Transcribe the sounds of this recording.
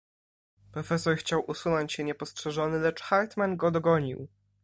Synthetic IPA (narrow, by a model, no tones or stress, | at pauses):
pɾɔfɛsɔɾxt͡ɕawʔusunɔɲt͡ɕɕɛɲɛpɔstʂɛʐɔnɘlɛt͡ʂxaɾt̪manɡɔd̪ɔɡɔɲḭw